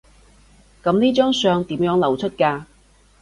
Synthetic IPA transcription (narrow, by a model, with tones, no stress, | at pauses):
kɐ˨˥mniː˥t͡ʃœː˥ŋsœː˧ŋt̪iː˨˥mjœː˨˥ŋlɐ˨˩wt͡ʃʰɵ˥t̚kaː˧